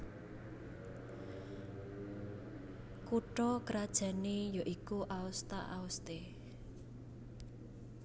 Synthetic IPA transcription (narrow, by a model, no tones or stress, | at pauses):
kuʈɔkəɾad̥ʒ̥ä̤nejoʔikuʔaust̪a̰ʔaust̪e